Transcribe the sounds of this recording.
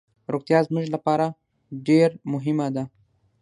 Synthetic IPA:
ɾoɡt̪jɑzmuʒlapɑɾa | ɖeɾmʊɦɪmad̪a

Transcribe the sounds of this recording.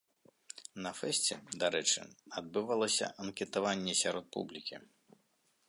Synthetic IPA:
nɐfɛsʲt͡sʲɛd̪aɾɛt͡ʂɨ̰ad̪̚bɨvalˠɐsʲɐ̰ʔɐnkʲɛt̪avanʲːɛsʲaɾɔt̪̚pṵblʲikʲi

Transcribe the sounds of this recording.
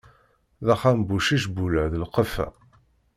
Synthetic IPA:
ðæχambuʃiʃbulæʕðəlqəfæ̰

